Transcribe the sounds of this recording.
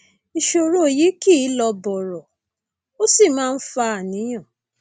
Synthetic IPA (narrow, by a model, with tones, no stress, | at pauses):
i˧ʃo˨ɾo˦˨ji˨˦ki˦˨˦lɔ˧bɔ˨ɾɔ˨ | o˦si˦˨mãː˦n̩˦fa˧˦a˨nĩ˨˦j̃ã˦˨